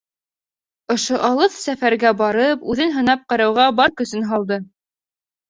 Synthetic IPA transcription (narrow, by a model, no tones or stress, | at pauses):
ŏʃoʔɑlˠɤθsæfæɾɡæbɑɾɤpʉðɘnɦɤ̆nɑp̚qɤ̆ɾɑwʁɑbɑɾkɵ̆sɘnɦɑlˠd̪ɤ